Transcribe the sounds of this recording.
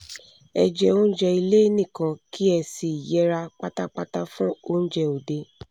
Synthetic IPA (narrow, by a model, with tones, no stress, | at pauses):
ɛ̰˧d͡ʒɛ˧o˦n̩˦d͡ʒɛ˧i˧le˦i˦nĩ˦˨kã˧ki˦ɛ˧˨si˨i˨jɛ˨˦ɾa˧k͡pa˦ta˦k͡pa˦ta˦fɔ̃˦o˦n̩˦d͡ʒɛ˧˨o˨de˧˦